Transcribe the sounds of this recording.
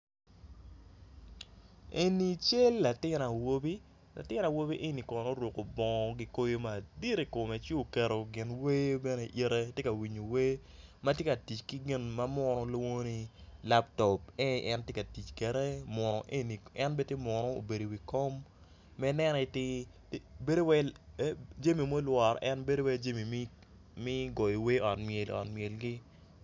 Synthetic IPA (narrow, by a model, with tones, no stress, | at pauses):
e˨ni˨t͡ʃe˦lːa˨tɪ˦na˨wo˦bi˦ | la̰˨tɪ˦na˨wo˦bi˦ʔe˦ni˨kɔ˨no˦ɾwo˨ko˨bɔ˨ŋɔ˨ɡi˦ko˦jo˦ma˨di˦ɾi˨ko˨mɛ˨t͡ʃo˦o˨kɛ˨ɾo˨ɡɪ˨nwe˦bɛ˦ne˦ʔi˦ɾe˦te˦ka˨wi˨ɲo˨we˦ | ma˦tje˦ka˨ti˨t͡ʃki˦ɡɪ˦nma˦mɔ˦ɾɔ˦lo˦ŋo˦ni˦la˦ptɔ˨p̚e˦ʔɛ˦ntje˦ka˨ti˨t͡ʃkɛ˨ɾe˦mɔ˨nɔ˨ʔe˦ni˨ɛ˦nbe˦tjɪ˦mɔ˨nɔ˦o̰˨be˨do˨wi˨kɔ˦mː | ɛ˦nɛ˦n˨tɪ˦ | be˦do˦wɛ˦ | d͡ʒa˦mi˨mo˦lwɔ˨ɾʔɛ˦nbe˦do˦wɛ˦d͡ʒa˦mi˨m˦ | mɪ˦ɡɔ˨ji˨we˦ɔ˨tmje˨l̰ɔ̰˨tme˨lɡi˦